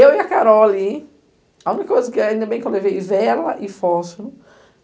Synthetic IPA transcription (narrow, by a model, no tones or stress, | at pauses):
ewiakaɾɔli | ãũnikɐkojzɐkɪaĩd̪ɐbẽj̃kewlevejvɛlɐʔɪfɔs